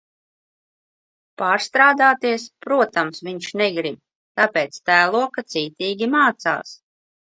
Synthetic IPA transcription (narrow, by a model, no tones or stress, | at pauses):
paːɾst̪ɾaːd̪aːt̪iɛspɾuɔt̪amsviɲʃnɛɡɾib̚ | t̪apʲɛːt̪st̪æːlˠuɔkat̪siːt̪iːɡʲimaːt̪sa̰ːs